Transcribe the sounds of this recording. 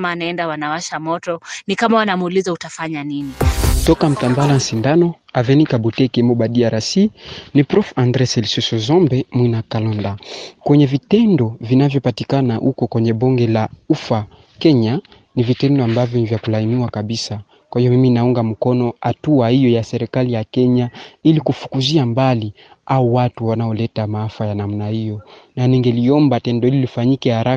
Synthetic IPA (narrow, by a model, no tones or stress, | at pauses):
maːnaɛndawanawaʃamɔtɔnikamawanamuːlizautafaɲaninitɔkam̩tandalansindanɔ | avɛnikaɓutɛkɛmɔɓadiaɾasinipɾɔfãndɾɛsɛlisusɔzɔmbɛmwinakalɔndakwɛɲɛvitɛndɔvinavjɔpatikanaʔukɔkwɛɲɛɓɔŋɡɛlaufa | kɛɲa | nivitɛndɔambavjɔnivjakulainiwakaɓisa | kwahijɔmiminauŋɡam̩kɔnɔatuahijɔjasɛɾikalijakɛɲailikufu̥kuziambali | aɔwatuwanaɔlɛtamaafajanamunahijɔnaniŋɡɛliɔmbatɛndɔhililifaɲikɛhaɾa